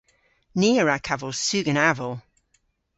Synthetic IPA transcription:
niːəɹakʰavəlˠsʉːɡənavəlˠ

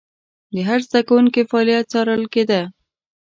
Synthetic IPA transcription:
d̪əɦaɾzd̪akawuŋkefɑːlijat̪̚t͡sɑɾəlked̪a

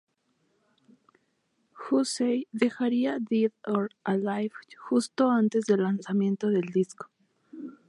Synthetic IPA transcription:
xusejðe̞xaɾiaðiðoɾalajvxust̪o̞ant̪e̞zðe̞lːansamjẽ̞nt̪oðe̞ld̪isko̥

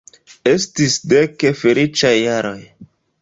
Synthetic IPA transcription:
estisdekefelit͡ʃajːaɾoj

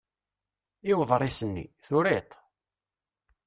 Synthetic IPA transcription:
ɪwðˤɾˤisənːḭθʊɾet̪ˤ

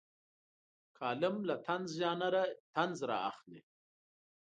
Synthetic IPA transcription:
kʰɑːlɪmlat̪ʰanzjɑːnaɾat̪anzɾɑ̰a̰xle

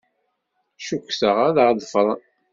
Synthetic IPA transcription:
ʃukʷːsəʁaðəʁðəfɾˤɑ

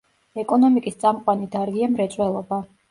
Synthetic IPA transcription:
ɛkʼɔnɔmikʼist̪sʼamqʼwanid̪aɾɡiamɾɛt̪sʼwɛlˠɔba

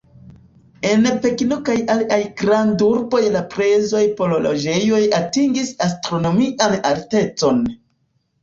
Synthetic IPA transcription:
e̞npe̞knokajaliʔajɡɾanduɾbo̞jlapɾe̞zo̞jpo̞lolo̰d͡ʒe̞jo̞jatiŋɡisastɾo̞no̞miʔanalte̞t͡so̞n

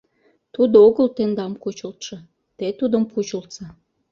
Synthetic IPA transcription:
t̪ud̪ooɣəlt̪end̪ɑmkut͡ɕəlt̪ʃĕ | t̪et̪ud̪əmkut͡ɕəlt̪sɑ

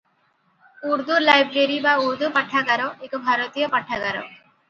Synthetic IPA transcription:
uɾd̪ulajbɾeɾibauɾd̪upɐʈʰːaɡaɾɔekobʱaɾot̪ijɔpɐʈʰːaɡaɾɔ̰

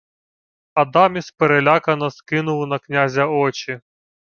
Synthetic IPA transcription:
ɐd̪ɑmʲispeɾelʲakɐnɐskɪnʊwnɐknʲazʲɐɔt͡ʃi

